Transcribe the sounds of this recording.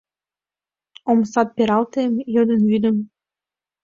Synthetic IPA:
omsɑt̪̚pʲeɾɑlt̪emjɤ̆d̪ə̆nvyd̪ə̆m

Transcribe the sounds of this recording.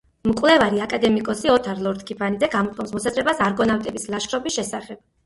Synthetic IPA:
mkʼwlɛvaɾiakʼad̪ɛmikʼɔsiɔt̪ʰaɾlˠɔɾt̪kʰipʰanid̪zɛɡamɔt̪ʼkʼɔmsmɔsazɾɛbasaɾɡɔnawt̪ʼɛbislˠaʃχɾɔbisʃɛsaχɛb̥

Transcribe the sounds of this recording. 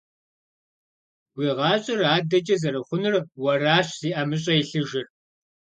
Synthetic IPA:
ɡʷiːʁɑːɕʼɪraːdɐd͡ʒɐzɐɾɐχʷʊnɨrwɐraːɕziːʔɐmɨɕ̬ʼɐjiɬɨʒɪr

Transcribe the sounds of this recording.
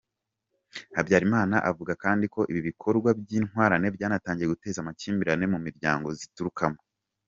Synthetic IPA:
habjaːɾimaːnaʔavuɡakaːndiko̞ʔiβiβikʰo̞ɾɡwabjiːnhwaːɾane̞bjaːnataːɲɟijeɡute̞ːzamaciːmbiɾane̞mumiɾɟaːŋɡo̞zituɾukʰamo

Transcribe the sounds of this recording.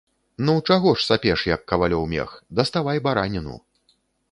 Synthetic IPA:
nuwt͡ʂaɣɔʂsapʲɛʂjɐkːɐvalʲɔwmʲɛ̰xd̪ɐst̪avajbaɾanʲinṵ

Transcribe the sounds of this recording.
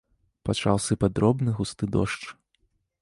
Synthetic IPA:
pat͡ʂa̰wsɨpad̪ɾɔbnɨɣust̪ɨd̪ɔ̰ʂt͡ʂ

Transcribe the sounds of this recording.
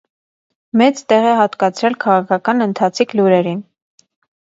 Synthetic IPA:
mɛt͡st̪ɛʁɛɦɑt̪kɑt͡sʰɾɛlkʰɑʁɑkʰɑkɑnənt̪ʰɑt͡sʰikʰluɾɛɾin

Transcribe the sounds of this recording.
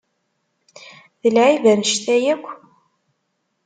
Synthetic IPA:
ðəlʕivəɾnəʃt̪æjækʷː

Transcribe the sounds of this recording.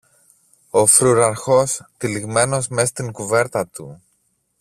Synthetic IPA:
o̞fɾuɾɐɾxo̞st̪iliɣme̞no̞zme̞st̪iŋkuve̞ɾt̪ɐt̪ṵ

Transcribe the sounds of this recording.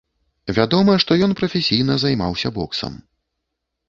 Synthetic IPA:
vʲad̪ɔmɐʂt̪ɔjɔnpɾɐfʲesʲijn̪ɐzajma̰wsʲɐbɔksɐ̰m

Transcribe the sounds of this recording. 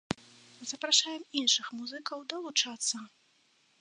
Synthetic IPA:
zɐpɾaʂajɛminʂɨxmuzɨkɐwd̪ɐlˠut͡ʂat̪sːɐ

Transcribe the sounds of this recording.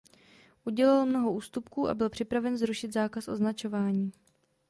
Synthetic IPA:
ʔuɟɛlalmno̞ɦo̞ʔuːst̪upkuːʔa̰bɪlpr̥ɪpɾavɛnzɾuʃɪt̪zaːkasʔo̞znat͡ʃo̞vaːɲiː

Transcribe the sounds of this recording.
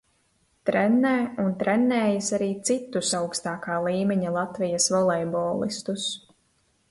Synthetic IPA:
t̪ɾɛnːɛːunt̪ɾɛnːɛːjasaɾiːt̪sit̪ːusawkst̪aːkaːlˠiːmʲɛɲalˠat̪vijasvɔlˠɛjbɔːlˠḭst̪us

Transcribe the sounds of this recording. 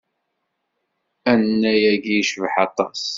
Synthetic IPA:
ænːæjæɡijʃvħɑt̪ˤːɑs

